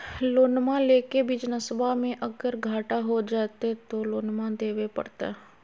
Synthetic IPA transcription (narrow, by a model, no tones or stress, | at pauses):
loːnmãleːkebid͡ʒnəsəbʱamẽʔəɡəɾɡʱaːʈaɦod͡ʒaːt̪et̪oloːnmãd̪eːwepɐ̰ɽt̪a̰ɦɛ